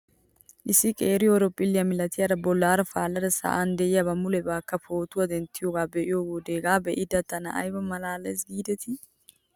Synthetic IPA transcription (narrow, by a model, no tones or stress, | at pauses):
ʔɪsːɪkʼeːɾɪjɔɔɾɔpʼːɪlːɪjɐmɪlɐt̪ɪjaɾɐbɔlːaːɾɐfaːlːɐd̪ɛsa̰ːʔand̪ɛʔɪjabɐmʊlɛbaːkːɐpʰoːt̪ʊwɐd̪ɛnt̪ːɪjoːɡaːbɛʔɪjoɡod̪eːɡaːbɛʔɪd̪ɐt̪ːɐnɐ̰ʔɐ̰jbɐmɐlaːlɐjsɡiːd̪ɛt̪ʰɪ